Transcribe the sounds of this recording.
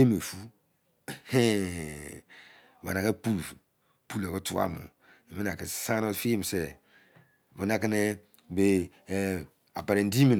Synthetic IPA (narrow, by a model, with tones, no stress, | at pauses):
e˦me˨fu˦ | he˦ | wa̰˨na˨ke˦pu˦l | pu˦le˨ko˦tu˦a̰˦˨mṵ˨ | i˨mi˦na˨ke˨sã˦nɔ˦fi˦˨m˨sɛ˦ | βu˨˦na˦ke˦ne˦ | be˨ | a˨pa˨ɾe˨n˦di˦mi˨n˨